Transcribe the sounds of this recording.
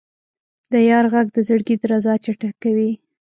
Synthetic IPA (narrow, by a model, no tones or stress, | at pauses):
d̪əjɑɾɣaɡ̚d̪əzəɽɡid̪ɾazɑt͡ʃaʈakawi